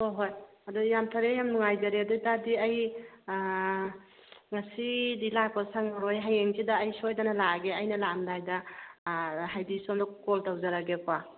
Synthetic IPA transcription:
hoɦoj | ɐdujamtʰaɾejamnuŋajzaɾeadudadiɐj | ŋasidilak̚pɔsaŋaɾɔjɦajeŋzidaːjsojdanalaɡeɐjnɐlamdajda | ɦajdisɔmdɔkɔltawzaɾaɡepʰa

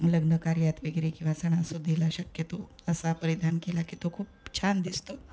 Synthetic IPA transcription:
ləɡnəkaɾjat̪ʋeɡɾekĩw̃ʋasəɽ̃asud̪ʱːilaɕəkjət̪o | əsapəɾid̪ʱankelakit̪okʰuːpt͡ɕʰand̪ist̪o

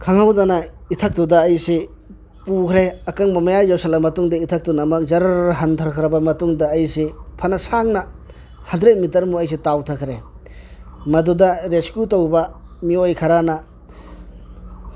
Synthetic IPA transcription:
kʰaŋhawdanaitʰɐk̚tudɐːjse | pukʰɾeɐkaŋmɐmajad͡ʒeɾusalemːɐtuŋdaitʰɐk̚tunɐmɐk̚zɐɾaɾɦɐntʰaɾkʰɾɐbɐmɐtuŋdɐːjsepʰɐnɐsaŋnɐ | hɐndɾet̚mitɐɾmuɐjs̬etawtʰakʰɾe | mɐdudɐɾeskjutowbɐ | miojkʰɐɾanɐ

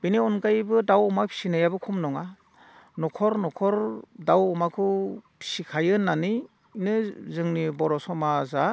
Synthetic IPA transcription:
b̥iniɔnɡajbɯdawɔmapʰi̥sinajabɯkʰumnɔŋa | nɔkʰɔɾnɔkʰɔɾdawɔmakʰɯpʰi̥sikʰajɯnːani | nɯzɯŋnibɔɾɔsɔmaza

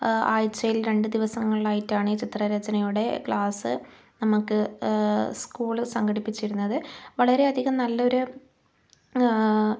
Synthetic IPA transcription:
aːjt͡ɕːɐjilɾe̞ɳɖɨd̪iʋɐsɐŋːɐɭilaːjitːaːɳit͡ɕit̪rɐɾɐd͡ʑɐnɐjuɽe̞kɭaːsɨ̰ | nɐmukːɨ | skuːɭsɐŋɡɐɽipːit͡ɕːiɾunːɐðɨʋɐɭɐɾe̞ɐd̪ʱiɣɐmnɐlːɐo̞ɾu

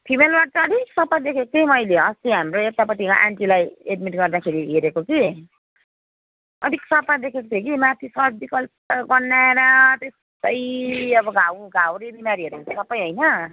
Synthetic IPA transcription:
pʰimelbaʈʌʌd̪ʱiksʌpad̪ekʰekot̪ʰejmʌjleʌst̪iɦamɾoek̚t̪apʌt̪ikaʔaɳʈilajeɖmiʈɡʌrd̪akʰeɾiɦeɾekoki | ʌd̪ʱiksʌpad̪ekʰekot̪ʰekimat̪ʰisʌbikʌlpɡʌrnːaeɾʌt̪es | t̪ʌjʌbʌɡʱawɡʱawɾibimaɾiɦʌɾut̪ʰesʌpːʌjɦojnʌ

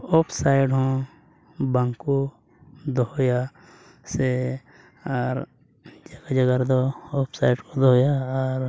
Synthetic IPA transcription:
oːpʰsaːɪɖɦõ | bə̃ŋko | d̪oja | se | ɔːɾ | d͡ʒəɡad͡ʒəɡaɾd̪ooːpsaːɪɖkod̪ojaɔːɾ

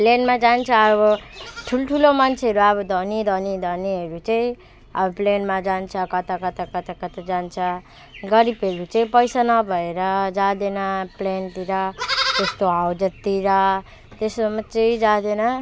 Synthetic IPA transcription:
plenmad͡zant͡sʰʌːbʌʈʰulʈʰulomant͡sʰeʌɾuʌβʌd̪ʱʌnid̪ʱʌnid̪ʱʌniɦʌɾut͡sʌĩ | ʌ̰bʌplenmad͡zant͡sʰʌkʌt̪akʌt̪akʌt̪akʌt̪ad͡zant͡sʰʌ | ɡʌɾipʌɾut͡sʌĩpʌjsanʌbʱʌeɾʌd͡zad̪enʌplent̪iɾʌt̪est̪oɦawd͡zʌt̪iɾʌ | t̪esʌmʌt͡sʌid͡zad̪enʌ

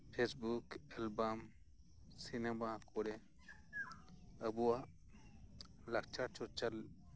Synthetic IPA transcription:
pʰesbukelbaːm | sinemakoɾe | ɐbua | lɐk̚t͡ʃʰat͡ʃʰot͡ʃɐl

